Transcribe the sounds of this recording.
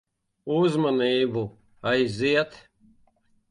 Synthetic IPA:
uzmɐniːbu | ajzijat̪

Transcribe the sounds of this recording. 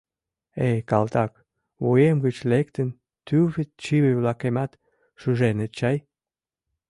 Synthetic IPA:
ejkɑlt̪ɑk | βujemɣət͡ɕlekt̪ən | t̪yβet̪̚t͡ɕiβəβlɑkemɑt̪ | ʃuʒenət͡ɕɑj

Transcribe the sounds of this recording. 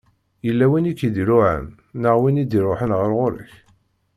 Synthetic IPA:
jəlːæwinikːid̪ɾʊʕə̰nː | əʁwinid̪iɾˤoħənʁəɾʁʊɾə̰ç

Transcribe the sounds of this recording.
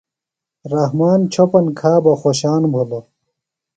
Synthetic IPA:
ɾɐhmaːnt͡ɕʰopɐnkʰaːbɐxoɕaːnbʱolo

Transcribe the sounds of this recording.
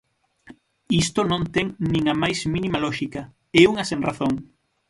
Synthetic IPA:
ist̪onõnt̪ɛŋnĩŋɐmajzmĩnimalɔʃikɐ | euŋɐseŋraθoŋ

